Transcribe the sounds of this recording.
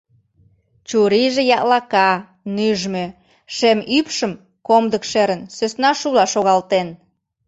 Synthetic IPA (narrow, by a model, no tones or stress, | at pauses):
t͡ɕuɾiʒejɑʔlɑkɑ | nyʒmø | ʃemypʃəm | komd̪əkʃeɾənsøsnɑʃulɑʃoɣɑlt̪en